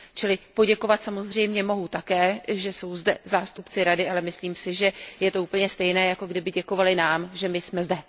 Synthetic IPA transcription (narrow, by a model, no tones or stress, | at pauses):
t͡ʃɪlɪpo̞ɟɛko̞vat̪samo̞zr̝ɛjmɲɛmo̞ɦut̪akɛːʒɛso̞wzdɛ̰zaːst̪upt͡sɪɾadɪʔalɛmɪsliːmsɪʒɛjɛt̪o̞uːpl̩ɲɛst̪ɛjnɛːjako̞ɡdɪbɪɟɛko̞valɪnaːmʒɛmɪsmɛzdɛ